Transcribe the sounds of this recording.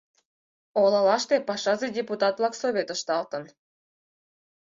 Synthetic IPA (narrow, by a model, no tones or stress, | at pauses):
olɑlɑʃt̪epɑʃɑzedʲeput̪ɑt̪vlˠɑksoβʲet̪ə̆ʃt̪ɑlt̪ɤ̆n